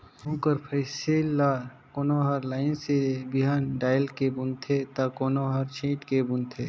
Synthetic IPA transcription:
ũːkəɾpʰəɪselːa | konoɦəɾlaːɪnsebiɦanɖaːjlkebunt̪ʰet̪akoːnoɦəɾt͡ʃʰĩːʈkebunt̪ʰe

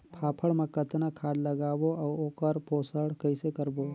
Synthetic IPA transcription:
pʰaːpʰəɽmekət̪nakʰaːɖləɡaːboawoːkəɾpoːsəɽkəɪsekəɾbo

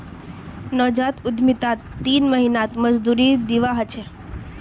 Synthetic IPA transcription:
nɔd͡ʒat̪ʊd̪mit̪at̪ːinməɦinat̪məd͡ʒd̪uɾid̪iʋaɦət͡ʃʰe

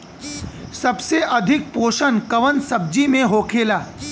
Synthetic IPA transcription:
sɐbseʔɐd̪ʱɪk̚poːʃənkɐʋənsɐb̚d͡ʒimẽɦoːkʰeːlaː

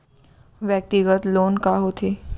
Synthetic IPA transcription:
ʋjək̚t̪iɡət̪loːnkaɦoːt̪ʰeː

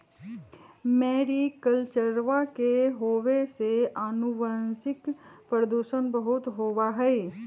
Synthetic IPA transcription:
mɛːɾikəlt͡ʃəɾʋakeɦoːweseanuʋansɪkpɾəd̪uːʃənbəɦʊt̪ɦoːʋaɦɛː

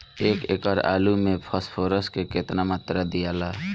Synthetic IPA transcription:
eːkekəɾa̰ːlumẽpʰəspʰoːɾəskeket̪namaːt̪ɾad̪ijala

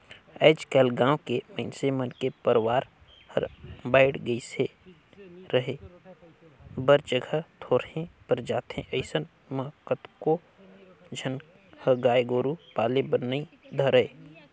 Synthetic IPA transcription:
ɛːd͡ʒkɛːlɡãːwkeməɪnsemənkepəɾwaːɾ | hə̰ɾbaːɪɽɡəise | ɾəɦe | bəɾd͡ʒəɡʱət̪ʰoːɾhẽpəɾd͡ʒaːt̪ḛ̃ʔəɪsən | mə̃kət̪ko | d͡ʒʱən | həɡaːjɡoːɾupaːlebəɾnəĩ | d̪ʱəɾəeː

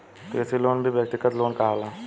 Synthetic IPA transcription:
t̪oɪsiloːnbʱibjek̚t̪ɪkət̪loːnkɐɦaːlaː

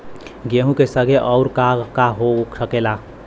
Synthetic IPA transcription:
ɡeɦũkesəɡʱeʔɔʊɾkakaɦosəkela

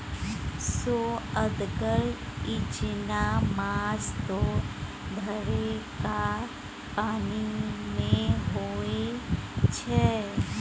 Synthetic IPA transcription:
soəd̪ɡəɾɪt͡ʃnamaːst̪o | d̪ʱəɾeka | paːnimẽɦoe | t͡ʃʰɛ

